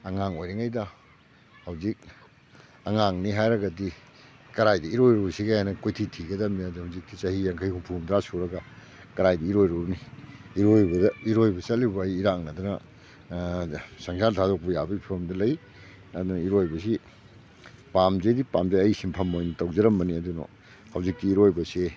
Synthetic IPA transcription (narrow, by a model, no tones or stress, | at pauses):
ɐŋaŋojɾeŋajdɐ | hɐwzik̚ | ɐŋaŋniɦajɾɐɡɐdi | kɐɾajdɐiɾojɾusiɡajanɐkojtʰitʰiɡɐdamiadihawzik̚tit͡ʃɐhiaŋkʰɐjhumpʰumdɾasuɾɐɡɐ | kɐɾajdɐiɾojɾubniːɾojbɐdɐiɾojbɐsɐtlibɐːjːɾaŋnɐdunɐ | saŋsantʰadok̚pɐjabɐɡipʰiɾomdɐlɐj | ɐdunɐiɾojbɐs̬i | pamzedipamzejɐjsimpʰɐmojnɐtɐwzɐɾɐmbɐniɐduno̰ | hɐwzik̚tiːɾojbɐse